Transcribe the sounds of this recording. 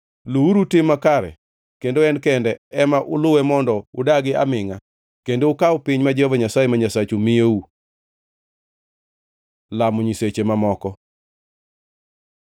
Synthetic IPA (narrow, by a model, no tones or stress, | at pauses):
luuɾutɪmːakaɾɛ̰ | kendoɛnkɛndɛɛmaʔʊlʊwɛmɔndɔʊdaɡɪa̰mɪŋa | kendoːkaʊpɪɲmad͡ʒɛhɔvaɲasajemaɲasat͡ʃomɪeu | lamoɲiset͡ʃemamɔkɔ